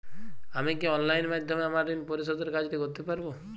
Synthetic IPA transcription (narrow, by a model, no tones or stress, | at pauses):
amikeɔnlajnmad̪ʱjɔmeamaɾd̪inpɔɾiʃɔd̪eɾkad͡ʒʈiɡot̪epaɾbo